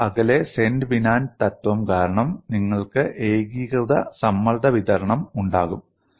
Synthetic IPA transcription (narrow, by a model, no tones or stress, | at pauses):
ɐɣɐle̞senɖɨʋinaːnt̪ɐt̪ʋɐmkaːɾɐɳɐmniŋːɐɭkɨʔeːɡiːɣɐðɐsɐmːɐld̪ɐʋiðɐɾɐɳɐmuɳɖaːɣum